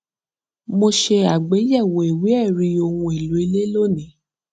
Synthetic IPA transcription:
mo˧ʃe˧a˨ɡ͡be˨˦jɛ˦˨wo˨e˨we˨˦ɛ˦˨ɾi˧o˧hũ˧e˨lu˨˦e˧le˦lo˦˨nĩ˨˦

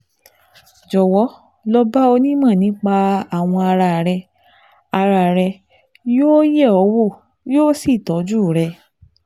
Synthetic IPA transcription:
d͡ʒɔ˨wɔ˨˦ | lɔ˧ba˦o˧nĩ˦mã˦˨nĩ˨˦k͡pa˧a˦˨w̃ɔ̃˧a˧ɾa˧˨ɾɛ˧ | a˧ɾa˨ɾɛ˧ | joː˦je˦˨ɔ˨˦wo˦˨ | joː˦si˦˨tɔ˨˦d͡ʒu˦˨ɾɛ˧

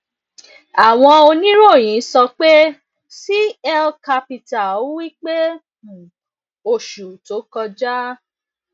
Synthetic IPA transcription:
a˨w̃ɔ̃˧o˧nĩ˦ɾo˦˨j̃ĩ˨˦sɔ˧k͡pe˦ | si˦ɛ˦lka˧pi˧ta˨o˦wi˦k͡pe˦ | ũ˨ | o˨ʃu˨to˨˦kɔ˧d͡ʒa˦

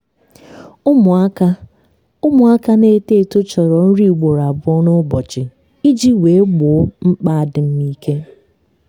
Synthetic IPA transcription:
ʊ˦mʊ˨a˦ka˦ | ʊ˦mʊ˨a˦ka˦ne˦te˦˨tʊ˦t͡ʃɔ˨ɾɔ˨n̩˦ɾi˦˨ɡ͡bo˨ɾa˨bʊ˦ɔ˦nʊ˦bɔ˨t͡ʃɪ˨ | i˦d͡ʒi˦we˨˦ɡ͡bʊ˨˦ŋ͡m̩˦k͡pa˦a˦˨dɪ˨m̩˦ni˦ke˦

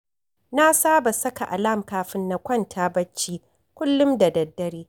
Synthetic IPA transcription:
na˦saː˦ba˨sɐ˦ka˨ʔa˨laː˦˨mkaː˦ɸɪ˦nːa˨kʷɐ˦ntʰaː˦bɐ˦t͡ʃːiː˦ | kʷʊ˦lːʊ˦mda˨dɐ˨dːɐ˦ɾiː˦

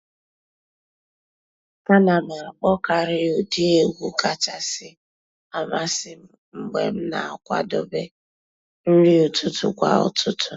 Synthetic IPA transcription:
ka˦na˨me˨a˨k͡pɔ˦ka˨ɾɪ˦o˨di˦e˨ɡʷu˦ka˦t͡ʃa˨sɪ˦ | a˨ma˦sɪ˦m̩˦ŋ͡m̩˨ɡ͡bḛ˨m̩˦na̰˨a˨kʷa̰˦dɔ˦be˦ | n̩˦ɾi˦u˨tʊ˦tʊ̰˨kʷa̰˨ʊ̰˨tʰʊ˦tʊ˨

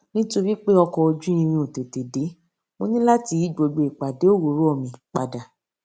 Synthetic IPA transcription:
nĩ˦to˧ɾi˦k͡pe˦ɔ˧kɔ˧o˧d͡ʒũ˦ĩ˧m̃ĩ˧o˨te˨te˨de˨˦ | mo˧nĩ˦la˦ti˧˦i˦ɡ͡bo˧ɡ͡bo˧i˨k͡pa˨de˨˦o˦wo˨˦ɾo˨˦ɔ˦˨mĩ˨k͡pa˨da˨

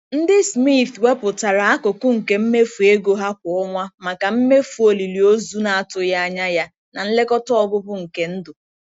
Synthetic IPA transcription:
n̩˦dɪ˦smi˦˨t̪we˦pʊ˨ta˨ɾa˨a˦kʊ˨kʊ˦ŋ̩˨ke˨m̩˦me˦fu˨e˦ɡo˨ɦa˦k̚ʷɔ˨ɔ˦ŋʷa˦ma˨ka˨m̩˦me˦fu˨o˨li˨li˨o˦zu˦na˨a˨tʊ˨ja˦a˦ɲa˦ja˦ | na˨n̩˦le˦kɔ˦tɔ˦ɔ˨bʊ˦bʊ˦ŋ̩˨ke˦n̩˦dʊ˨

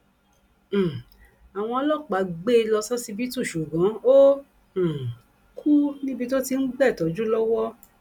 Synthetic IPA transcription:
a˨w̃ɔ̃˧ɔ˧lɔ˦˨k͡pa˨˦ɡ͡be˦˧lɔ˧sɔ˦si˧bi˦tu˦˨ʃu˨ɡã˨˦õ˦˨ | kʰu˦nĩ˦bi˧to˦ti˧n̩˦ɡ͡bɛ˦˨tɔ˨˦d͡ʒu˦lɔ˦wɔ˦

